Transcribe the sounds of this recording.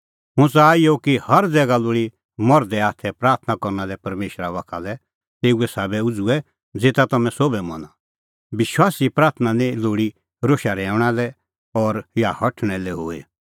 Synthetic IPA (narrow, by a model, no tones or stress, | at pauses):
ɦʊ̃t͡saaːijokihɐɾd͡zɛːɡaloːɽi | mɔɾd̪ɛaːt̪ʰɛpɾaːɾt̪ʰnakɔɾnalɛpɐɾmeːʃɾaʋakʰalɛ | t̪eːuɛsaːbɛʊd͡zuɛ | d͡zeːt̪at̪ɐmɛ̃sobɛmɔ̰na | bɪʃwaːsipɾaːɾt̪ʰnanĩloːɽi | ɾoːʃaɾɛːʊɽ̃alɛ | ɔɾjahɐʈʰɽ̃ɛlɛɦoːe